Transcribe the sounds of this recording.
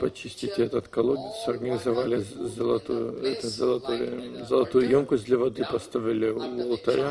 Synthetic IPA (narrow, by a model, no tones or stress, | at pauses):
pɐt͡ʃisʲtʲit̪ʲɛt̪ət̪kɐlˠoɡ̪ʲsɐrɡənʲɪzɐvalʲɪzɐlˠɐ̰t̪ujʊ̰ɛt̪əzəlˠɐt̪ojzɐlˠɐt̪ujʊjomkʊzʲd̪lʲɐvɐd̪ɨpɐst̪avʲɪlʲɪvolˠt̪ɐɾʲa